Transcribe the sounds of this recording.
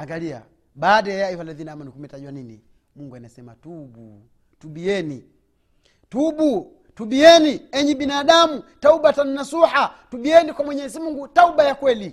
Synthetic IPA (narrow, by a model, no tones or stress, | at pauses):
aŋɡalia̰ | ɓaːdaajaiwalaðinaamanikumɛtaʄuwaninḭ | muŋɡuanasɛma̰tubu | tuɓiɛni | tubu | tuɓiɛniɛɲiɓinaːɗamutauɓatananasuhatuɓiɛnikwamwɛɲɛzimuŋɡutaubajakwɛli